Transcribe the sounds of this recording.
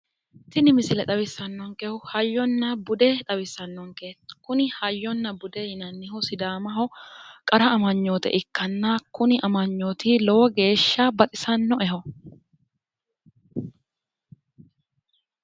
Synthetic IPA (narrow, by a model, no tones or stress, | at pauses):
t̪ɪnɪmɪsɪlɛᶑ̪ɐwɪsːɐnːɔŋkʼɛhʊhɐjːɔnːɐbʊd̪ɛᶑ̪ɐwɪsːɐnːɔŋkekʊnɪhɐjːɔnːɐbʊd̪ɛjɪnɐnːɪhɔsɪd̪aːmɐɦɔkʼɐɾɐːmɐɲːoːt̪ɛ̰ʔɪkːɐnːakʊnɪʔɐmɐɲːoːt̪ɪlɔwɔɡe̞ːʃːɐbɐt̪ʼɪsɐnːɔʔɛɦɔ